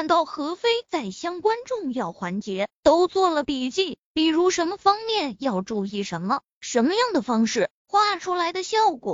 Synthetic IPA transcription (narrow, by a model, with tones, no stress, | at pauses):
a˥˧nt̪ɑ˥˩ʊxɤ˧˥fe˥ɪt͡sa˥˩ɪɕjɑ˥ŋkwa˥nʈ͡ʂʊ˥˧ŋjɑ˥˩ʊxwa˧˥nt͡ɕjɛ˧˥t̪o˥ʊt͡swɔ˥˩lə˩pi˨˩t͡ɕi˥˩pi˨˩ɻu˧˥ʂə˧˥nmə˧fɑ˥ŋmjɛ˥˩njɑ˥˧ʊʈ͡ʂu˥˧i˥˩ʂə˧˥nmə˧ | ʂə˧˥nmə˧jɑ˥˩ŋd̪ə˩fɑ˥ŋʂɻ̩˥˩ | xwa˥˩ʈ͡ʂʰu˥la˧˥ɪd̪ə˧ɕjɑ˥˩ʊkwɔ̰˨˩